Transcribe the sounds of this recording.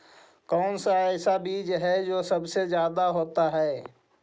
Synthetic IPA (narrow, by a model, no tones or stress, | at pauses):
kɔːnsaɛːsabiːd͡ʒɦɛd͡ʒoːsɐbsezjaːd̪aɦoːt̪aɦɛː